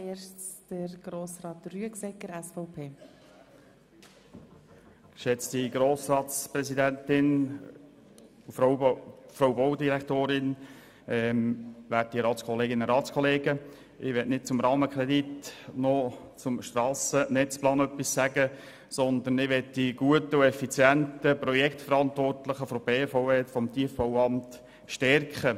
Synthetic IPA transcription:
eʃt͡stəɾɡ̥ɾoːsɾɑːtryəksɛkːəɾɛsfɔʊpʰeː | ɪʃɛt͡sd̥iɡɾoːsrɑːtsprɛsid̪ænt̪ɪn | fɾowbɔwd̪iɾɛkt̪oːɾɪn | ɛmʋæt̚diɾɑːtt͡skʰɔleːɡɪnəɾɑːtt͡skʰɔleːɡə | ʔɪʋɛtnɪt̚t͡sʊmɾɑːməkʰɾɛd̪itnɔ | t͡sʊmʃt̪rɑːsənɛt͡splɑːnœpːissæɡə | sɔnd̪ənɪʋɛtdiɡ̥uət̪əʊɛfit͡sjænt̪əprɔjɛktfəɾɑnt̪ʋɔrtləχəfɔb̥eːfɔʊɛtfɔmt̪ʰiəfb̥ɔwɑmt | ʃtɛrkχə

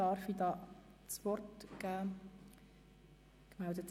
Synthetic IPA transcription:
ɑɾfidɑː | t͡sʋɔrtɡ̥æː | kmældət̪

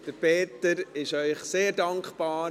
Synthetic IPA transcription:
d̪̥əɾpeːt̪əɾɪʃœʏχseːɾdɑŋkχpɑː

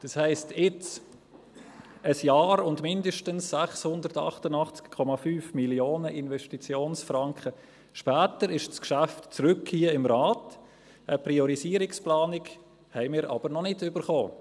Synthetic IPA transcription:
d̥ɑshɛɪstʰjɪt͡s | əsjɑːɾʊndmɪndəʃtənsːæχshʊndəɾtɑ̰χtənɑχt͡skkʰɔmɑfyːfmiljoːnəʔɪnvɛʃtit͡sjoːnsfɾɑŋkχə | ʃpæːtəɾɪʃskʃæftt͡sɾʏkhiːəɪmrɑːt | ʔəpriɔɾisiːɾɪksplɑːnɪk | hɛɪmɪːɾʔɑ̰b̥əɾnɔnɪtʏbəɾχoː

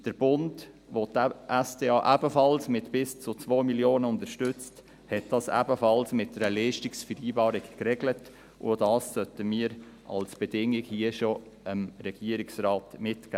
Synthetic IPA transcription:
d̥əɾb̥ʊnd | votʔɛsd̥eːɑːʔæbəfɑlsmɪtbɪst͡sʊt͡svoːmiljoːnəʊndəʃtʏt͡st | hɛt̚d̥ɑsæ̰bəfɑlsmɪt̚dəɾəliːʃtɪksfəiːbɑːɾɪkkɾɛɡlət | ʔʊ̰dɑːsːœtəmiːəɾ | ʔɑ̰lsb̥ɛdɪŋɪkhiːəʃo | əmɾɛɡ̥iəɾɪksɾaːtmɪtkæː

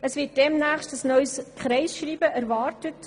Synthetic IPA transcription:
əsʋɪːt̚d̥ɛmnæːχstəsnœʏskχɾɛɪsʃɾiːbəʔæɾʋɑːrtət

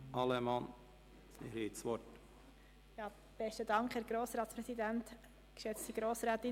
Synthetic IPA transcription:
ʔɑləmɑn | ɪ̰et͡sʋɔt | jɑː | b̥ɛstədɑŋkχhæːɾɡ̥ɾoːsɾɑːt̪spɾɛsidænt | kʃɛt͡stiɡ̥ɾoːsɾɛːt̪ɪ

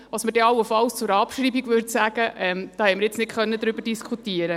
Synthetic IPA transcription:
ʋɑsməd̥ɛɑwːəfɑlst͡sʊɾɑpʃɾiːbiɡʋʏɾt̪sæːɡ̥əʔɛmd̥ɑːhɛtməɾjɪt͡snɪtχœnːəd̪ɾybəɾd̥iskʰutiəɾə

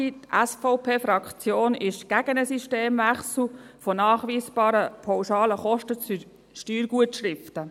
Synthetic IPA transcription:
itʔæsfɔʊpʰeːfɾɑkχt͡sjoːnɪʃɡ̥æɡ̥ənəsiʃteːmʋæχsl̩fɔnɑːχʋiːsb̥ɑːɾəpʰaʊʃɑːləχɔʃtət͡sy | ʃtyːɾɡuətʃɾɪftə

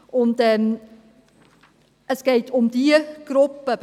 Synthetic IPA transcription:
ʔʊntɛm | ʔəsɡ̥eːtʰʊmdiɡ̥ɾʊpːəb

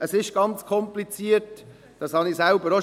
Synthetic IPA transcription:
əsɪʃɡ̥ɑnt͡skʰɔmplit͡siət | d̥ɑshɑnisælbəɾo

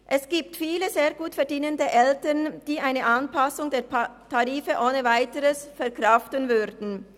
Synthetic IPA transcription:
ʔɛsɡ̥iːp̚tfiːləzeːɐɡuːtfɛɐʁdiːnəndəʔɛltɐʁnd̥iːaɪnəʔanpasʊŋdeːɐtʰaʁiːfəʔoːnəvaɪtəʁəsfɛɐkʁ̥aftənvʏʁdn̩

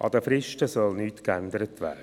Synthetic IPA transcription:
ʔɑ̰d̪əfɾɪʃtəsœlnyːtkænd̪əɾətʰʋæ̰ːdə

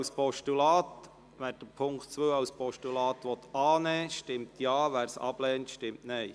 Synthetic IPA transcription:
spɔʃtulɑːt̪ | ʋæːɾd̥əpʰʊŋktt͡sʋøːɑwspɔʃtulɑːt̪ʋɔt̪ɑːnɛːʃtɪmtʰjɑːʋæːɾsɑ̰b̥lɛːntʃtɪmtnɛɪ

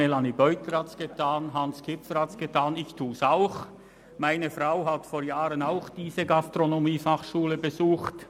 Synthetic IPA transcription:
elanibœʏtəɾhatsɡ̥ətʰaːnɦɑnskʰɪfəɾhatsɡ̥ətʰaːnɪçtʰuːsaʊx | maɪnəfraʊɦatfoːɐjaːɾənaʊxd̥iːzəɡastʁonomiːfaχʃuːləbəzuːxt

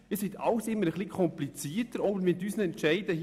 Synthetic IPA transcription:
isit̪ɑ̰ʊsɪmːəɾəχlikʰɔmplit͡siːətəɾɔbəɾmɛt̪yːsnɛntʃɛɪdəh

